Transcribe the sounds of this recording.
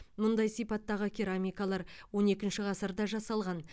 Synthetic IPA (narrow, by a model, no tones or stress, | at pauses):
mʊnd̪ɑjsijpɑt̪ːɑʁəkʲʰiɾamʲijkalˠɑɾwo̞ne̞kʲɪnʃɪʁɑsəɾd̪ɑʒɑsɑlˠʁɑn